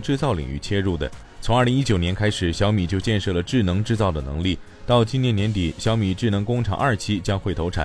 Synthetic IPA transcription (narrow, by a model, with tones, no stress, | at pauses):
ʈ͡ʂɻ̩˥˧t͡sɑ˥˩ʊlḭ˨˩ŋy̰˥˩t͡ɕʰjɛ˥ɻu˥˩d̪ə̰˩ | t͡sʰʊ˧˥ŋ˥˧˩li˧˥ŋi˥t͡ɕjo˨˩ʊnjɛ˧˥nkʰa˥ɪʂɻ̩˨˩ɕjɑ˧˥ʊmi˨˩t͡ɕjo˥˧ʊt͡ɕjɛ˥˧nʂɤ˥˩lə˩ʈ͡ʂɻ̩˥˩nɤ˧˥ŋʈ͡ʂɻ̩˥˧t͡sɑ˥˩ʊd̪ə˩nɤ̰˧˥ŋli˥˩ | t̪ɑ˥˧ʊt͡ɕi˥˧njɛ˥˩njɛ˧˥nt̪i˨˩˦ɕjɑ˧˥ʊmi˨˩ʈ͡ʂɻ̩˥˩nɤ˧˥ŋkʊ˥ŋʈ͡ʂʰɑ̰˨˩ŋʔɐ˞˥˩t͡ɕʰi˥t͡ɕjɑ˥ŋxwe˥˩ɪt̪ʰo˧˥ʊʈ͡ʂʰa̰˨˩˦n